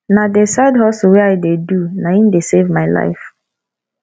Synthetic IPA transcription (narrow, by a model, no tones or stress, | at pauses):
nadesaɪdɦɔsɔweaɪdedunaimdesevmaɪla̰ɪf